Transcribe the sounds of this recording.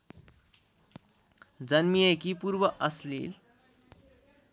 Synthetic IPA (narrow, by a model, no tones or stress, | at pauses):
d͡zənmiekipuɾbəʔəslḭːl